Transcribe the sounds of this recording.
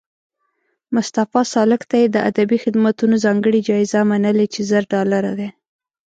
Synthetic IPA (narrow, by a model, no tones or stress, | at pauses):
mʊst̪afɑsɑlɪkt̪ajed̪əʔa̰d̪abixɪd̪mat̪unozɑŋɡəɽid͡ʒɑɪzamanəlet͡ʃezəɾɖɑlaɾad̪e